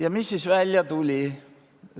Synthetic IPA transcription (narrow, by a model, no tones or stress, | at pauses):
jɑmisːisvælʲjɑt̪ulʲi